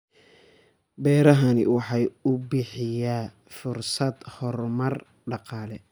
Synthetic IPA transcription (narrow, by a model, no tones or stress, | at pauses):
bɛːɾɐɦɐnɪ̰wɑħɑjʊbɪħɪja | fʊrsɐd̪hɔrmɐr | ɖɑqɑːlɛ